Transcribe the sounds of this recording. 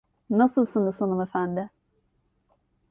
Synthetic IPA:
nasɯlˠsɯnɯsanɯmefænd̪ɪ

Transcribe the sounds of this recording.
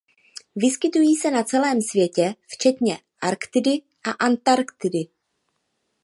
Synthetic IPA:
vɪskɪt̪ujiːsɛnat͡sɛlɛːmsvjɛcɛft͡ʃɛt̪ɲɛ | ʔaɾkt̪ɪdɪ | ʔaʔant̪aɾkt̪ɪdɪ

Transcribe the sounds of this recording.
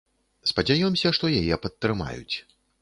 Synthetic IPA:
spɐd͡zʲajɔmsʲɐʂt̪ɔjajɛpɐt̪ːɾɨma̰jṵt͡sʲ

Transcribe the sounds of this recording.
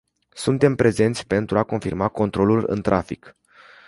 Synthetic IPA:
sunt̪e̞mpɾʔe̞ze̞nt̪sʲpe̞nt̪ɾuako̞nfirmako̞nt̪ɾo̞lulɨ̰nt̪ɾʔafik

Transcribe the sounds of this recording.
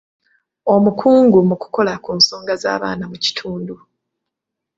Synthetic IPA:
o̞mukʰuːŋɡumuku̥ko̞lakuːnso̞ːŋɡaza̰ːβa̰ːnamuci̥tʰuːndu

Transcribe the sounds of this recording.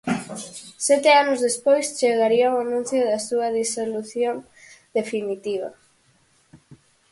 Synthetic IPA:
sɛt̪eanʊzðespojst͡ʃeɣaɾiawanũn̟θjoðɐsuɐðisoluθjon | d̪efinit̪iβ̞ɐ̰

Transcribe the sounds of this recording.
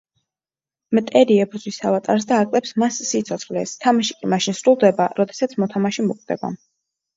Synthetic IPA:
mt̪ʼɛɾiɛbɾzwisavat̪ʼaɾs̬d̪aːkʼlɛpsmasːit̪sʰɔt̪sχlɛst̪ʰamaʃi̥kʼimaʃinsɾulˠd̪ɛbaɾɔd̪ɛsat̪sʰmɔt̪ʰamaʃimɔqʼvd̪̥ɛ̰ba̰

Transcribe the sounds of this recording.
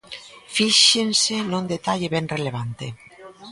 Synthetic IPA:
fiʃensenũnd̪et̪aʎeβɛnreleβ̞ant̪e

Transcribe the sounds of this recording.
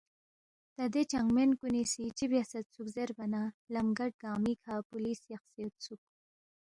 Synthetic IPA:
t̪ad̪et͡ʃaŋɡmenkunisit͡ʃibjasɐt̪̚t͡sukzeɾbanalamɡaʈ̚ɡɑːmikʰapulisjaxsiet̪̚t͡sʰuk̚

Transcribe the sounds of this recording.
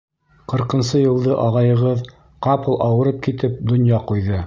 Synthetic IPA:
qɤ̆ɾqɤ̆nsɤjɤ̆lˠd̪ɤʔɑʁɑjɤ̆ʁɤð | qɑpɤlˠʔɑwɤ̆ɾɤp̚kit̪ɘp̚d̪ŏnjɑqujðɤ

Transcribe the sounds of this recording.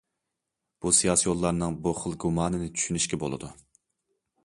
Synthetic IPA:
b̥usijɑːsijolˠːɑɾnɨŋbuχəlˠɡumɑːnɨnɪt͡ʃʰy̥ʃynyʃkʲɛbo̰lˠɨ̰d̪u

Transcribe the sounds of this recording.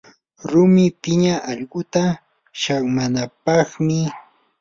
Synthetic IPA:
ɾʊmɪpɪɲaʔɑʎɢʊt̪a | ʃaŋmanapɑχmɪ

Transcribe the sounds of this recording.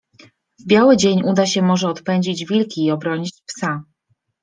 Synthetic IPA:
vbʲjawɘd͡ʑeɲud̪aɕɛmɔʐɛɔt̪pɛɲd͡ʑid͡ʑvʲilkʲiːɔbɾɔɲit͡ɕpsa

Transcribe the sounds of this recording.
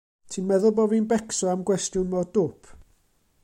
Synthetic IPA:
tʰiːnmɛðʊlˠbɔvinbɛksɔamɡwɛstjʊnmɔdʊpʰ

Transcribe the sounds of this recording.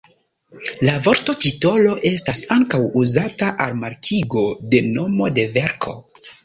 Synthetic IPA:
lavo̞ɾto̞tito̞lo̞ʔe̞stasaŋkawuzataʔalmaɾkʰiɡo̞de̞no̞mo̞de̞ve̞ɾkʰo̞̰

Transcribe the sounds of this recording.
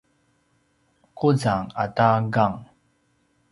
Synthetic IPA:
kuzaŋa̰taɡaŋ

